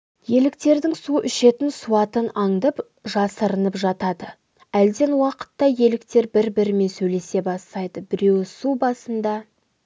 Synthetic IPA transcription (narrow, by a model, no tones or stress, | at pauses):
je̞lɪk̚t̪e̞ɾd̪ɪŋsuʔʏʃe̞t̪ɪnsuɑt̪ənɑɴd̪əp | ʒɑsəɾənəpʒɑt̪ɑd̪ə | æld̪e̞nwɑqə̥t̪ːɑje̞lɪkt̪e̞ɾbɪɾbɪɾme̞nsɵjle̞se̞bɑst̪ɑjd̪əbɪɾe̞wɪsubɑsənd̪ɑ